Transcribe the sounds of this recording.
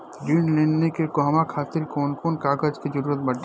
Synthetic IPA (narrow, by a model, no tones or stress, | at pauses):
biːnɖleːnːekekoɦmakʰaːt̪ɪɾkoːnkoːnkaːɡəd͡ʒkid͡ʒəɾuːɾət̪bɐɽ